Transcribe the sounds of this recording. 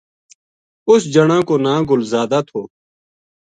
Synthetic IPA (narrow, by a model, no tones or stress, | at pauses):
ʊsd͡ʒəɳãːkoːnãːɡʊlzaːd̪aːt̪ʰoː